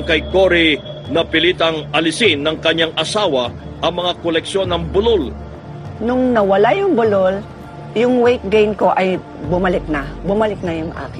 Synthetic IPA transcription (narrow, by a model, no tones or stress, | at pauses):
kɐjkoɾinɐpɪlit̪ɐŋɐlɪsinːɐŋkɐɲːaŋʔɐsaːwɐ | ʔɐŋmɐŋakolɛkʃo̞nːɐŋbʊlol | nʊŋnɐwɐlajʊŋbʊlol | jʊŋwejk̚ɡejnko̞ʔɐj | bʊmɐlɪk̚nɐbʊmɐlɪk̚nɐjʊŋʔa̰ːkɪ